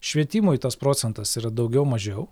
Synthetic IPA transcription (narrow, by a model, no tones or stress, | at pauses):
ʃʲʋʲiɛt̪ʲiːmʊt̪ɐspɾoːt̪sʲɛnt̪ɐsiːɾɐd̪ɒʊɡʲɛʊmɐʒʲɛʊ